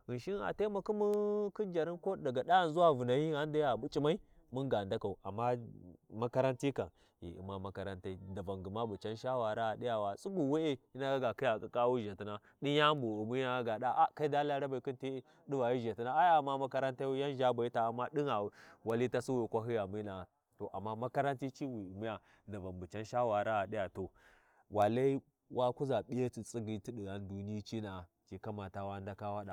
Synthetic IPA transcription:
i˨ʃi˦na̰˨te˦ma˨ku˦mu˦ki˦nd͡ʒa˨ɾi˦ko˦da˨ɡa˨ɗa˦˨nzu˦wa˦˨vu˨na˨ji˦a˦n˦da˦a˨bu˦t͡ʃʼi˦ma˦i˦mu˦nɡa˨nda˦ka˨u˨a̰˨mːa˦ma˦ka˦ɾa˦nti˦ka˨n | jḭ˨ḭ˨ma˦ma˦ka˨ɾa˦nta˦i˦da˨va˨ŋɡi˨ma˦bu˨t͡ʃa˦nʃa˦wa˨ɾa˦˨ɗi˦ja˨wa˨su˦bu˨we˦e˦i˦na˦a˦ɡa˨ki˦ja˨kʼa˨kʼa˦wu˦ʒa˨ti˦na˦ | ɗi˦ja˦mbu˨u˨mu˦a˦a˦ɡa˨ɗa˦ʔa˦ka˦i˦da˦la˦ɾa˦ba˨i˨ku˦nti˦ | di˦va˨ji˦ʒa˨ti˦na˦a˦ja˦a˨mːa˦ma˦ka˦ɾa˦nta˦wi˦ja˦n˦ʒa˦ba˨i˦ta˨a˨mːa˦ɗi˦na˨wa˨li˦ta˦su˦wi˨kʷa˦ɦi˦ja˨mi˦na˨ | to˨ʔa̰˨mːa˦ma˦ka˦ɾa˦nti˦t͡ʃi˦wi˨u˨mu˦ja˨ | nda˨va˨mbu˨t͡ʃa˦nʃa˦wa˨ɾa˦a˨ɗi˦ja˨to˨ | wa˨la˦i˦ | wʔa˦ku˦za˨ɓi˦a˦ti˨t͡sʼi˦ɡi˦ti˦ɗi˨a˦n˦du˨ni˦i˦t͡ʃi˦na˨ | t͡ʃi˨ka˦ma˨ta˨wa˦n˦da˦ka˦wa˦ɗa˨

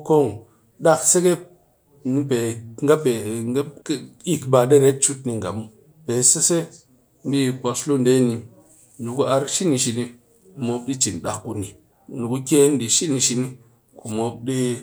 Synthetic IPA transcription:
ko˦˨ŋ | ɗa˦kse˦ke˦p̚ | ni˦pe˨ŋɡa˦be˨ŋɡe˦ki˦kba˨˧ɗe˦ne˦t̚t͡ʃu˦t̚ni˧ŋɡa̰˨mu˦ | pe˨se˦se˦ | m˦bi˦˨ko˧slu˦nde˦ni˧ | nu˨ku˦a˧ɾʃi˦ni˧ʃi˧ni˧ | u˨mo˧p̚ɗi˦t͡ʃi˨nɗa˨kːu˧ni˨ | nu˨ku˦kʲe˦n˦di˨ʃi˦ni˨˧ʃi˧ni˦ | ku˨mo˧b̚ɗi˦

